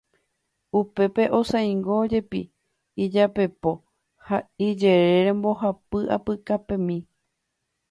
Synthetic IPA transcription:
upe̞pe̞ʔo̞sãj̃ŋɡod͡ʒe̞pḭ | id͡ʒape̞po̞ | haid͡ʒeɾe̞ɾẽmbo̞hapɨʔa̰pɨkapẽ̞mĩ

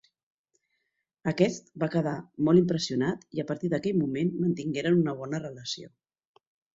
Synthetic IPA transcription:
əkɛst̪̚bakəð̞amɔlˠimpɾəsiunat̪iəpəɾt̪iðəkɛʎmumenmənt̪iŋɡeɾənunəβ̞ɔnərələsio̰

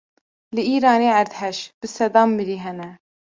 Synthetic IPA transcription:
lɨiːɾɑːneːæɾd̪hɛʃb̥ɨsɛd̪ɑːmːɨɾiːɦɛnɛ

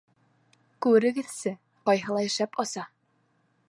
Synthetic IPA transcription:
kʉɘ̆ɾɘ̆ɡɘ̆ðsɘ | qɒjɦɤ̆lˠɑjɘ̆ʃæpɑsɑ

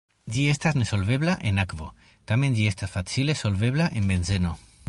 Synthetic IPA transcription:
ɟ͡ʝiest̪aznesolβeβlaʔenakβo | t̪amẽnʝiest̪asfat͡silesolβeβlaʔembenzeno

